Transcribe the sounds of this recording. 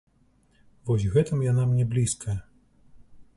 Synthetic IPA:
vɔsʲɣɛt̪ɨmjanamnʲɛblʲiskʰɐjɐ

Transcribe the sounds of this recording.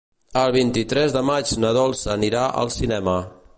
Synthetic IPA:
əlˠβ̞int̪it̪ɾɛzðəmad͡ʒnəðɔlˠsəniɾaʔə̰lˠsinɛmə

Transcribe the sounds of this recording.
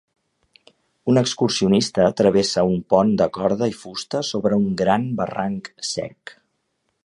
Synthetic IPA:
unəkskursiunist̪əːt̪ɾəβesəumpɔnd̪əkɔɾðəifust̪əsoβɾəuŋɡɾanbəraŋksɛ̰k

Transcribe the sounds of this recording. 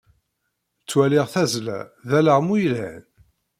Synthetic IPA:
t͡sːwæliʁθæzlæ̰ðæləʁmujlæ̰n

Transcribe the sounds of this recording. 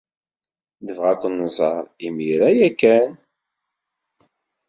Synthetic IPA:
ðəvʁækʷːənːəzˤɑɾˤimiɾæjækːæn

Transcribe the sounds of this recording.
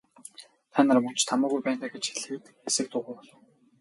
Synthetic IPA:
t̪ʰanărmɵn̥t͡ɕt̪ʰamʊːɣujpæːnt̪ʰaːɡet͡ɕxeɮɘ̆t̪ | esɘ̆k̚t̪ʰʊʁʊːpɔɮʊ̆

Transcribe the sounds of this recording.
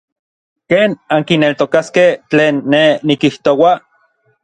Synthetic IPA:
keːnaŋkinelt̪okaskeht͡ɬeːnːenːikiht̪owa

